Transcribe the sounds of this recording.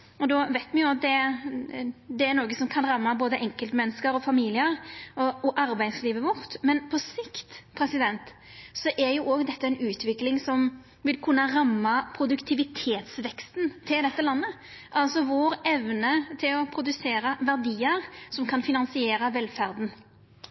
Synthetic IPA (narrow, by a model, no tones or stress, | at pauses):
ɔd̪ɔʋæɪt̪mɛʊɑd̪ɛ | d̪ɛːɾnoːɡəsɔmkʰɑnɾɑmːɑboːd̪əʔɛŋkəlt̪mɛnːəskəɾɔfɑmiːlɪəɾɔɔʔɑɾbæɪsliːʋəʋʊʁt̪mɛnpʰɔsɪkt̪pʰɾɛsɪd̪ɛnt̪ | sɔʔɛɾjʊʔoːɡd̪ɛt̪ːəæɪnʉːt̪ʰʋɪklɪŋsɔm | ʋɪlkʰʉnːəʁɑmːɑpʰɾʊd̪ʉkt̪ʰɪʋɪt̪ʰeːt̪sʋɛkst̪nt̪ʰɪld̪ɛt̪ːəlɑnːə | ʔɑlsɔʋoːɾɛʋnət̪ʰɪlɔpʰɾʊd̪ʉseːɾɑʋæʁd̪iːəɾsɔmkʰɑnfɪnɑnsɪeːɾɑʋɛlfæɾd̪n̩